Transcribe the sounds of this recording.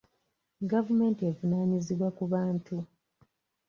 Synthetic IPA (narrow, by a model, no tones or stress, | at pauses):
ɡavume̞ːntievunaːniziβwakuβaːntu